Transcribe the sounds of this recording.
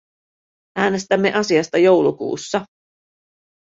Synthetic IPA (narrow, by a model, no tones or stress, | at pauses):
æːne̞st̪æmːe̞ʔɑsiɑst̪ɑjo̞wlukṵːsːɑ